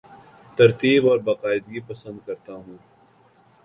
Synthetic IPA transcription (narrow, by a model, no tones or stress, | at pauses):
t̪ɐɾt̪iːbɔːɾbɐqaːɪd̪ɡipɐsə̃nd̪̚kɐɾt̪aɦũː